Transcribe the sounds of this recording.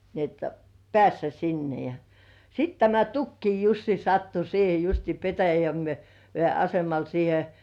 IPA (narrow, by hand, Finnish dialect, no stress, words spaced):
ni et pĕæˑsːæ sinːe jɑ jɑ sit tæmæ tukːiː jusːi sɑtːu siːhe justiː petæjæ ʋĭeˑ ɑsemɑl siːhe